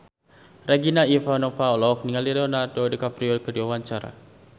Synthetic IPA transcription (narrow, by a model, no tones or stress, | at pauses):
raɡinaifanɔfaɔlɔk̚niŋaliɾɛɔnardodəkafɾiɔkədiwawaɲt͡ʃaɾa̰